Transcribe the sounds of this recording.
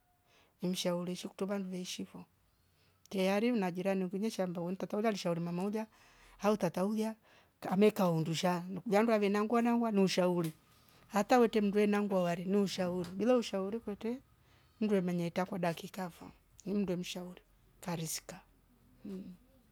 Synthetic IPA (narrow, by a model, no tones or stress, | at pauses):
im̩ʃauɾiʃiku̥tɔvanduvɛiʃiβɔ | tɛjaɾiunad͡ʒiɾaniŋɡuɲɛʃambawɛn̩itatauljaliʃauɾimamaulja | hautataulja | amɛkaunduʃanvjanduavɛnaŋɡwanaŋɡwaniuʃauli | hatawɛtɛm̩nduwɛnaŋɡwawaɾiniuʃauɾibilauʃauɾikwɛtɛ | m̩nduwɛmaɲɛtakwadakikafa̰ | nim̩unduwɛm̩ʃauɾi | faɾisi̥ka